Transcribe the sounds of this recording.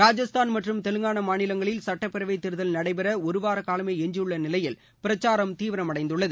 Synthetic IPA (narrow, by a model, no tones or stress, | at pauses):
ɾaːd͡ʒɐst̪ʰaːnmɐʈrɯmt̪ɛlɯŋɡaːɳɐmaːnɪlɐŋɡɐɭɪlsɐʈːɐpːɪɾɐʋɐɪt̪ːɪɾɯðɐlnɐɽɐɪpɐɾɐɔɾɯʋaːɾɐkaːlɐmeːɛɲd͡ʒɪɯɭːɐnɪlɐjɪl | pɪɾɐt͡ʃːaːɾɐmt̪iːʋɪɾɐmɐɽɐɪnd̪ɯɭːɐðɯ